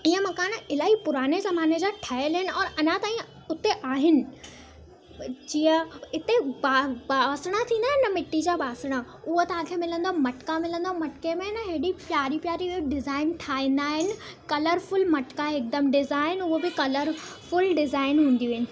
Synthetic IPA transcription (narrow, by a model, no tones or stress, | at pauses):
iːə̃mɐkaːnɪlaːɦipʊɾaːnezɐmaːned͡ʑaːʈʰɐɦelɦɪnɪ̆ɔːɾɐnãt̪aːĩ | ʊt̪eʔaːɦɪnɪ̆ | d͡ʑiːə̃ɪt̪ebaːbaːsɽ̃at̪ʰĩːn̆d̪aːɦɪnɐmɪʈːid͡ʑaːbaːsɽ̃a | ʊɦot̪ɐʋ̤ãkʰemɪlə̃nd̪omɐʈkamɪlə̃nd̪omɐʈkemẽnəɦeːɽipjaːɾipjaːɾiɖɪzaːɪnʈʰaːɦĩn̆d̪aːɦɪnɪ̆kɐləɾfʊlmɐʈkaɪk̚d̪əmɖɪzaːɪɪnʊɦobɪkɐləɾfʊlɖɪzaːɪnɦũːn̆d̪iʋɦɪnɪ̆